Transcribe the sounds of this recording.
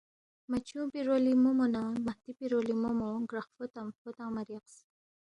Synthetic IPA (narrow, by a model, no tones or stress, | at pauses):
mat͡ɕʰũpiɾolimumonamaht̪ipiɾolimomoɡɾaχfot̪amfot̪ãmaɾiqs